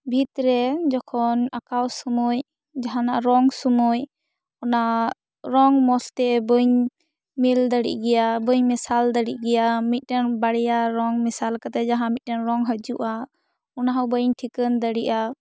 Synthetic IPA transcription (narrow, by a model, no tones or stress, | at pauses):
bʱit̪ɾɛd͡ʒɔkʰɔnakawsumuj | d͡ʒaɦanaʔɾɔŋsumuj | ɔnaʔ | ɾɔŋmɔst̪ɛbəɲ | mild̪əɽḭʔɡɛjabəɲmɛsald̪əɽḭʔɡɛjamit̪̚ˀdɛnbaɽɛjaɾɔŋmɛsalkat̪ɛd͡ʒaɦãmit̪̚dɛnɾɔŋɦəd͡ʒuʔa | ɔnaɦawbəɲʈʰikənd̪əɽiʔa